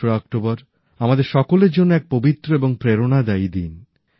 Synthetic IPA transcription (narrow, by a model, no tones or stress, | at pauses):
oeɔk̚ʈobɔɾ | amad̪eɾʃɔkoleɾd͡ʑonːoɛk̚pobit̪ːɾoeboŋpɾeɾonad̪ajd̪in